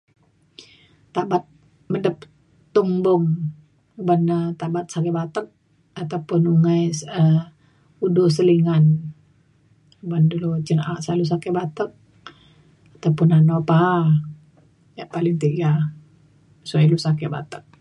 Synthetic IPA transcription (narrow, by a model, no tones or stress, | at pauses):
t̪abat̪̚ | mədəp̚ | t̪uŋbʊŋ | banət̪abat̪̚sak̬ɛbat̪ək̚ | at̪awpʊnuŋajsə | udus̬əliŋan | bandulut͡ʃənasalus̬akɛbat̪ək̚ | at̪aupʊnanopa | jaʔpalɪŋt̪iɡa | suailusakɛba̰t̪ə̥k̚